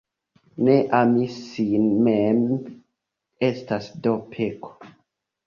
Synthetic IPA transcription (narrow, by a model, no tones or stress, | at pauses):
neʔamisinmem | estasdopʰekʰo̥